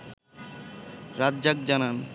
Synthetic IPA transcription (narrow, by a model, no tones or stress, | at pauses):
ɾadd͡ʑak̚d͡ʑanan